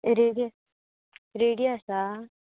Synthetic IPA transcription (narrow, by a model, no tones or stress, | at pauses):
ɾeɽij | ɾeːɽijɐsa